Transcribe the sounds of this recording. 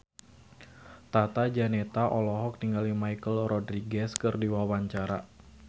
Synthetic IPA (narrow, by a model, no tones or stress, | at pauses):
t̪at̪ad͡ʒanɛt̪aʔɔlɔɦɔk̚niŋɡalimajkəlrɔdɾiɡɛskɨrdiwawaɲt͡ʃaɾa̰